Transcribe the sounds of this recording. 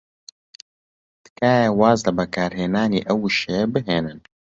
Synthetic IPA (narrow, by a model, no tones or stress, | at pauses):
t̪kaːjewaːzlɐbɐkaːɾɦeːnaːneːʔɐwɨʃebɨɦeːnɨn